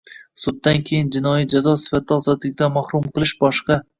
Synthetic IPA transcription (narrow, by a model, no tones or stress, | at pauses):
sʊd̪ːankʲʰejɪnd͡ʒɪnɒjid͡ʒazɒsɪ̥fat̪̚ʰːaɒzɒt̪lɪk̚ʲd̪amahɾʊmqʰɨlˠɪʃbɒʃqɑ